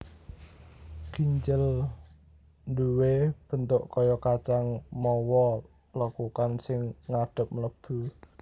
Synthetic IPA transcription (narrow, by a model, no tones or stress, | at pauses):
ɡ̥iɲt͡ʃəl | nduweb̥ə̤nt̪ʊʔkɔjɔkat͡ʃaŋmɔwɔ | lɔkukansɪŋːaɖ̥ə̤p̚mələb̥u